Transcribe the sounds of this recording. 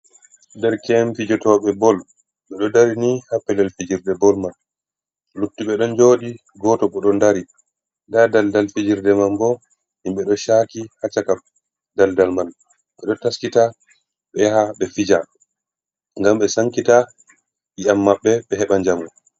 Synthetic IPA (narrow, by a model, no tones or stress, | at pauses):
ndɛɾkɛmfid͡ʒɔtɔɓɛbɔl | ɓɛɗɔdaɾinihapːɛlɛlfid͡ʒiɾdɛbɔlman | lutːiɓɛɗɔnd͡ʒoːɗi | ɡɔːtɔɓɔɗɔndaɾi | ndadaldalfid͡ʒiɾdɛmambɔ | himɓɛɗɔʃakihat͡ʃakam | daldalmal | ɓɛɗɔtaskita | ɓɛhaɓɛfid͡ʒa | ŋɡamɓɛsaŋkita | ɓiʔamːaɓːɛɓɛɦɛɓaɲd͡ʒamu